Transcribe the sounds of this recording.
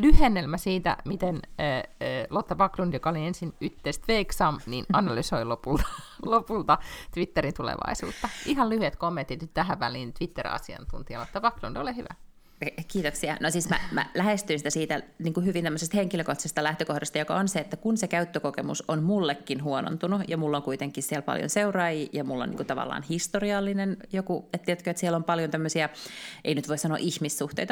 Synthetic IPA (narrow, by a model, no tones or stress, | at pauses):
lyhenːelmæsiːt̪æ̰mit̪enː | lot̪ːɑpɑklund̥jokɑoliensinyt̪ːeist̪ʋeiksɑmninʔɑnɑlysoilopult̪ɑ̥lopult̪ɑt̪ʋit̪ːeɾint̪ulḛʋɑ̰isṵːt̪ːɑʔihɑllyhyet̪komːent̪ːit̪nyt̪t̪æhæʋʋæliːnt̪ʋit̪ːerɑ̰siɑ̰nt̪unt̪iɑlot̪ːɑpɑklund̥olihyʋæ̰ | kiːt̪oksiɑ̰nosiːsmæ̰mæ̰læhest̪yinsit̪æsiːt̪æniːŋkuhyʋint̪æmːøsest̪heŋkiløkoht̪ɑsest̪ɑlæht̪økohdɑst̪ɑjokɑonseet̪ːækunsekæyt̪ːøkokemṵsonmulːekːinɦuono̰nt̪unujɑmulːoŋkuit̪eŋkːˑissiælpɑ̰ljo̰nseurɑːjijɑmulːo̰nːḭŋkut̪ɑʋɑ̰lːɑ̰ːnhist̪oriɑlːinenjokuet̪t̪iæt̪køet̪siɛlompɑljont̪æmːøsiɑʔeinyt̪ʋoisɑno̰ʔiçmisːuht̪ḛijt̪ɑ